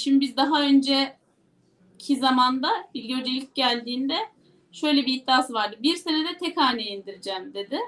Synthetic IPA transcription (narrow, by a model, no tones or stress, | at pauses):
ʃimd̪ibizd̪aɦaø̞nd͡ʒɛ | cʰizamand̪abiɾʲɟøød͡ʒelʲic̚ɟælʲd̪iːnd̪ɛ | ʃø̞jlʲɛbiːht̪iaːsɯvaɾd̪ɯbiɾse̞nɛd̪ɛt̪ʰɛkaːneind̪iɾid͡ʒɛːmd̪e̞d̪ɪ